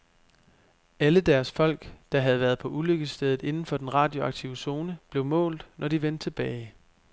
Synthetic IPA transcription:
æləd̥æɐsfɒ̽l̰ɡ̥d̥ɑ̈ɦæð̞̩ˠʋæɐð̞̩ˠpʰɒ̽ʔuløɡ̥əsd̥eð̞̩ˠe̝nn̩fɒ̽d̥enʁɑ̈ːd̥io̝ɑ̈ɡ̥̚t͡sʰiʊəso̝ːnəb̥le̝ʊmɔ̰̽ːld̥nʔɒd̥iʋen̰d̥t͡sʰe̝b̥ɛːɪ

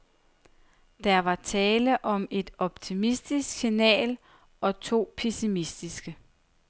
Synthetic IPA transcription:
d̥æɐʋɑ̈t͡sʰɛːləʔɒ̽me̝d̥ɒ̽b̥̚t͡sʰimisd̥isɡ̥sinɛ̰ːl | ʔɒ̽t͡sʰo̝̰ːpʰesimisd̥isɡ̥ə

